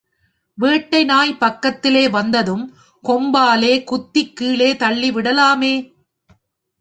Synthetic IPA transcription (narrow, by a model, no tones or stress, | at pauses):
ʋeːʈːɐɪnaːjpɐkːɐt̪ːɪleːʋɐnd̪ɐðɯm | kɔmbaːleːkʊt̪ːɪkːiːleːt̪ɐɭːiʋɪɽɐlaːmeː